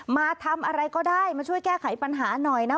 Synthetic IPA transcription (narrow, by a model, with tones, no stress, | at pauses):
maː˧t̪ʰa˧mʔa˧ɾa˧jkɔː˥˩daː˥˩jmaː˧t͡ɕʰu˥˩əjkɛː˥˩kʰa˩˦jpa˧nɦaː˩˦nɔ˨˩jna˦˥